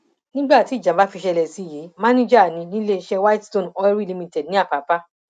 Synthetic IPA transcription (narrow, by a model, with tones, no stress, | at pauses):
nĩ˦ɡ͡ba˦˨ti˨˦˨d͡ʒa˨˦ba˦fi˧ʃɛ˧lɛ˨si˨˦˨ji˨˦mã˦nĩ˦d͡ʒa˦˨nĩ˧˦nĩ˦le˧ʃɛ˧wa˦tstõ˦˨n˨ɔ˧ɛ˦ɾi˦˨li˧mĩ˧tɛ˨dnĩ˦a˦˨pa˨˦pa˦